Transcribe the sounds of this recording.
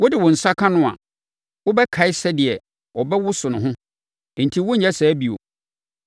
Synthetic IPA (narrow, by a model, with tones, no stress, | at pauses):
wʊ˦dɪ˨wɔ̃˨n̩˨sa˦kʰã˦nʊ̃˦a̰˨ | wʊ˦bɛ˦kʰa˨ɪ˦sɛ˦dɪ˨ɛ˨ | ɔ˨bɛ˦wʊ˦sʊ˨nʊ̃˨ɦʊ̃˦˨ | n̩˨tʰi˦wʊ˦ɲ̩˦ɲɛ˦sɛː˨˦bi˨o̰˨